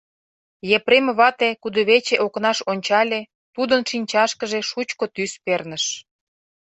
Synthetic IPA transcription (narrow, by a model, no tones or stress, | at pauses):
jepɾemβɑt̪ekud̪əβet͡ɕeʔoknɑʃonʲt͡ɕɑlʲe | t̪ud̪ənʃinʲt͡ɕɑʃkəʒeʃut͡ɕkot̪yspernəʃ